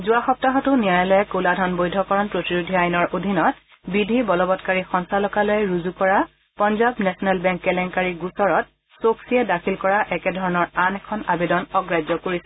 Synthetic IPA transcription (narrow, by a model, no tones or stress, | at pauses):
zʊaxɔp̚taɦɔtʊnijajɔlɛkoladʱɔnbojdʱɔkɔɹɔnpɹotiɹudʱiajnɔɹʔodʱinɔt | bidʱibɔlɔbɔtkaɹixɔnsalɔkalɔjɛɹuzukɔɹa | pɔnzabnɛsɔnɛlbɛŋkːɛlɛŋkaɹiɡusɔɹɔt̚ | soksiɛdakʰilkɔɹaʔɛkɛdʱɔɹɔnɔɹanɛkʰɔna̰bedɔnɔɡɹajzɔkoɹisɛ